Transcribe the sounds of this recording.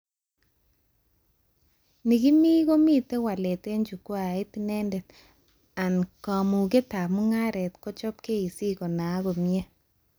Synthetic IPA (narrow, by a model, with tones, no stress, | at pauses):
ni˨ki˦mi˦ɣo˦mi˦te˦wa˨le˨te˦ɲd͡ʒu˨ko˦a˨e˦tinɛ˦ndɛ˨t | a˨nka˨mu˨ke˦ta˨mu˦ŋa˦ɾɛ˨tko˦t͡ʃɔ˦p̚ke˦i˨si˦ko˨na˨˦ɣo˨mje˦